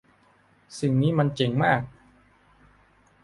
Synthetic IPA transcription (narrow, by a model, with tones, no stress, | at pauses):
si˨˩ŋniː˦˥ma˧nt͡ɕe˨˩˦ŋmaː˥˩k̚